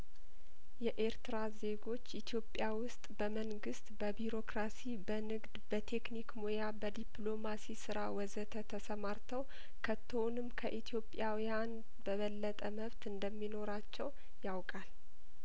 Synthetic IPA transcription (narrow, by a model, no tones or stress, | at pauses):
jɛʔe̞ɾt̪ɨɾaze̞ɡo̞t͡ʃːit̪ʰjo̞pʼjawʊst̪ʼbəməŋɡɨst̪bəbiɾo̞kɾasibənɨɡd̪bət̪ʰe̞knikmojabəd̪iplo̞masisɨɾawɔzət̪ʰət̪ʰəsəmaɾt̪ʰəw | kʰət̪ʰːonɨmkʰəʔit̪ʰjo̞pʼjawjan | bəβəlːət̪ʼəməβt̪ɨnd̪əmːino̞ɾat͡ʃːɛw | jawkʼal